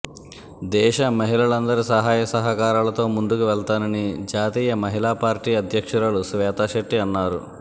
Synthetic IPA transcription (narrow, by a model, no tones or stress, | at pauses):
d̪ɛːʃɐmɐɦilɐɭɐnd̪ɐɾisɐɦaːjɐsɐɦɐkaːɾaːlɐt̪o̞ːmund̪ukuʋɛɭt̪aːnɐnid͡ʒaːt̪iːjɐmɐɦilaːpaːɾʈiːɐd̪ʱjɐkʂɐɾɐlusʋɛːt̪aːʃɐʈːiɐnːaːɾu